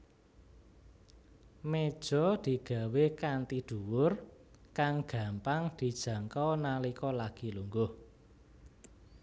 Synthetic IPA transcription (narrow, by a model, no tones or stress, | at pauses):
med̥ʒ̥ɔ̤d̪̥i̤ɡ̥ä̤wekant̪id̪̥ṳwʊr | kaŋɡ̥a̤mpaŋd̪̥i̤d̥ʒ̥ä̤ŋkɔnalikɔlaɡ̥i̤luŋɡʊh